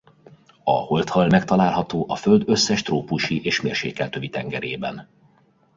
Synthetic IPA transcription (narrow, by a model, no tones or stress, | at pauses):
ɒ̰ho̞lt̪hɒlmɛkt̪ɒlaːlɦɒt̪oːʔɒfø̞ld̪ø̞sːɛʃt̪roːpuʃiʔeːʃmeːrʃḛːkːɛlt̪øvit̪ɛŋɡɛɾeːbɛ̰n